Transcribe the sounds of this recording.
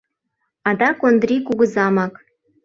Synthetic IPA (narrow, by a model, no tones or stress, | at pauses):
ɑd̪ɑkond̪rʲikuɣɤ̆zɑmɑk